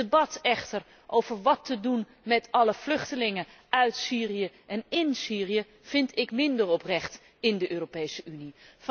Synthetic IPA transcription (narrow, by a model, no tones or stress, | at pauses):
bɑtɛχtər | ʔowv̥əɹʋɑtədun | mɛtɑləv̥lɵχtəlɪŋə | œɥtsiːrijəʔɛnɪnsiːrijə | v̥ɪntɪkmɪndərɔprɛχt | ɪndəʔøːropejsəʔynif